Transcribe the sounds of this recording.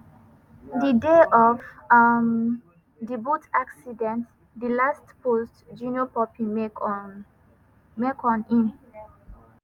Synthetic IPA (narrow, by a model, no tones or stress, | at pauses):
dideʔɔvm | dibutʰaksidɛ̃nt | dilastpostd͡ʒũniopɔpʰĩm | mekʰɔ̃nĩn